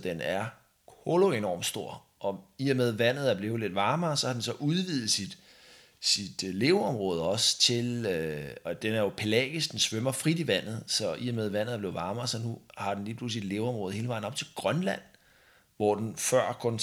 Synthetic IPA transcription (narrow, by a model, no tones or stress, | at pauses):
d̥enæɐ | koloenɒ̰ːmd̥sd̥o̝ɐ̰ | ʔɒ̽iɐmeð̞ˠʋæn̰ð̞̩ˠæɐb̥le̝ːʊle̝d̥ʋɑ̈ːmɐsɒ̽hɑ̈d̥ensɒ̽ʔuð̞ˠʋið̩ˠsid̥ | sid̥le̝ʊɒ̽mʁɔ̽ːð̞ˠɒ̽st͡sʰe̝løɒd̥enæɐjo̝pʰelɛ̰ːɡ̥əsd̥ensʋømɐfʁid̥iʋæn̰ð̞̩ˠsɒ̽ʔiɐmeð̞ˠʋæn̰ðˠæɐb̥le̝ːðˠʋɑ̈ːmːsɒ̽nuhɑ̈d̥enliːpʰluslid̥le̝ːʊɒ̽mʁɔð̩ˠhe̝ːləʋɑ̈ɪ̰nɒ̽b̥t͡sʰe̝lɡ̥ʁɶnlæn̰ | ʋɒ̰d̥enfɶɐ̰kʰɔ̽n